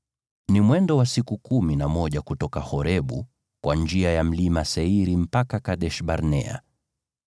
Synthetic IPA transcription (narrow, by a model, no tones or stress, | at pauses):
nimwɛndɔwasikukuminamɔʄakutɔkahɔɾɛɓṵ | kwʔand͡ʒiajam̩limasɛiɾim̩pakakaɗɛʃɓaɾnɛa̰